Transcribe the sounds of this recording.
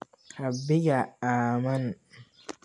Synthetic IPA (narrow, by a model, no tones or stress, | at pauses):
habːɪɡaaːmɐn